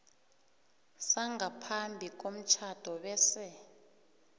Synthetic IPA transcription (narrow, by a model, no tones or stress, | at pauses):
saŋɡapʰambʱik̬om̩t͡ʃʰad̥ʱɔɓɛsɛ